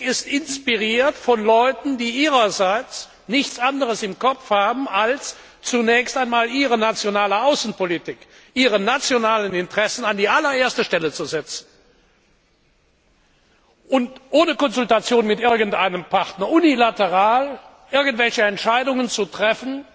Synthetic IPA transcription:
ɪstɪnspiʁiːɐtfɔnlɔʏtn̩diːʔiːʁɐzaɪt͡s | nɪçt͡sʔandəʁəsɪmkʰɔp͡fhaːbm̩als | t͡sunɛːçstaɪnmaːlʔiːʁənat͡sjonaːləaʊsn̩politɪk | ʔiːʁənat͡sjonaːlənɪntʁ̥ɛsn̩andiːʔalɐʔeːɐstəʃtɛlət͡suzɛt͡sn̩ | ʔʊntʔoːnəkɔnzʊltat͡sjoːnmɪtʔɪɐɡn̩tʔaɪnəmpʰaʁtnɐʔunilatəʁaːl | ʔɪɐɡn̩tv̥ɛlçəɛntʃaɪdʊŋənt͡sutʁ̥ɛfn̩

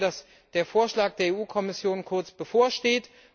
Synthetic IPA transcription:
das | d̥eːɐfoːɐʃlaːk̚d̥eːɐeːʔuːkʰɔmɪsjoːnkʰʊɐt͡sb̥əfoːɐʃteːt

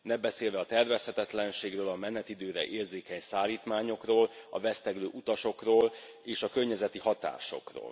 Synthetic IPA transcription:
nɛbɛseːlvɛɒt̪ɛrvɛshɛt̪ɛt̪lɛnʃeːɡrøːlɒmɛnːɛt̪id̪øːɾɛ̰ʔeːrzeːkɛɲsaːliːt̪maːɲo̞kroːlɒ̰vɛst̪ɛɡlø̰ːʔut̪ɒʃo̞kroːl | eːʃɒkørɲɛzɛt̪ihɒt̪a̰ːʃo̞̰kro̰ːl

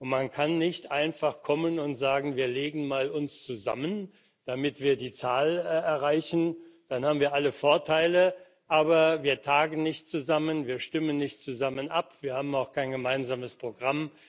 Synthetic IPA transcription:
ʊntmankʰanːɪçtʔaɪnfaχkʰɔmənʊntz̥aːɡŋ̩viːɐleːɡŋ̩maːlʊnst͡suza̰mən | d̥amɪtv̥iːɐdiːt͡saːlɛɐʁaɪçn̩d̥anhaːbmviːɐʔaləfoɐtʰaɪlə | ʔaːbɐviːɐtʰaːɡn̩nɪçtt͡suzamənviːɐʃtɪmənːɪçt̚t͡suzamənʔapv̥iːɐhaːbm̩aʊxkʰaɪnɡəmaɪnzaːməspʁ̥oɡʁam

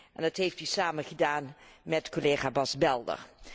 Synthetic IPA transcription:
ʔɛndɑtɦejftysaːmənχədaːnmɛtkoleːχaːbɑsbɛlˠdə̰ɹ

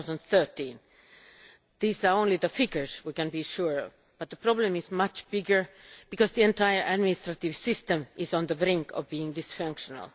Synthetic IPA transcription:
zə̃nd̪θɜ˞tĩn | ðiːsə˞õʊ̃nliðəfɪɡə˞zwikɨ̃nbiʃuɹɔ̰v | b̥ʌt̪̚ðəpʰɹ̥ɔblə̃mɪzmʌt͡ʃb̥ɪɡə˞b̥ɨkʌzðiɛ̃ntʰaɪə˞ʔæd̚mɪnɪstɹatɪv̥sɪstə̃mʔɪz̃nðəbɾɪ̃ŋkʰʌ̰vbiɪ̃ŋdɪsfʌ̃ŋkʃənə̰l̩ˠ

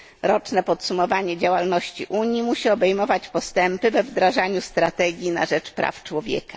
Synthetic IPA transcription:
ɾɔt͡ʂnɛpɔt̪sumɔvaɲɛd͡ʑawalnɔɕt͡ɕḭʔuɲjimuɕiɔbɛjmɔvat͡ɕpɔst̪ɛmpɘvɛvd̪ɾaʐaɲust̪ɾat̪ɛɡʲjina̰ʐɛt͡ʂpɾa̰ft͡ʂwɔvʲjɛ̰kḁ

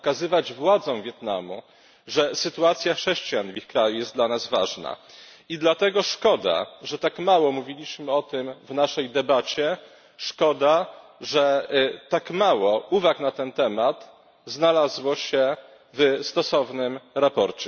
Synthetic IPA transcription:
ɔkazɘvad͡ʑvwad̪zɔ̃w̃vʲjɛt̪na̰mṵ | ʐɛsɘt̪uat̪sʲjaxʂɛɕt͡ɕijanvixkɾajujɛst̪d̪lanazva̰ʐna̰ | id̪lat̪ɛɡɔʂkɔd̪a̰ʐɛt̪akmawɔmuvʲilʲiɕmɘɔt̪ɘmvnaʂɛjd̪ɛbat͡ɕɛ | ʂkɔd̪aʐɛt̪akmawɔuvaknat̪ɛnt̪ɛmat̪ | znalazwɔɕɛ | vst̪ɔsɔvnɘmɾapɔɾt͡ɕɛ

